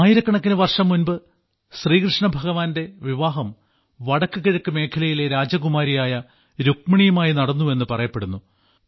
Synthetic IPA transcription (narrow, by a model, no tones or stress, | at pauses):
jiɾɐkːɐɳɐkːinɨʋɐrʂɐmːunbɨ | ɕriːkrɨʂɳɐbʱɐɣɐʋaːnde̞ʋiʋaːɦɐm | ʋɐɽɐkːɨɣiɻɐkːɨme̞ːkʰɐlɐjileɾaːd͡ʑɐɡumaːɾijaːjɐ | ɾukmɐɳijɐmaːjinɐɽɐnːue̞nːɨpɐrɐjɐpːe̞ɽunːu